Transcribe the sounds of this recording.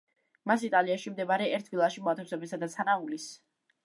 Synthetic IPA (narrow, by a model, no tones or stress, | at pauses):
masit̪ʼaliaʃimd̪ɛmaɾɛɛɾt̪ʰvilˠaʃimɔat̪ʰɛwsɛbɛsad̪at̪sʰanaulis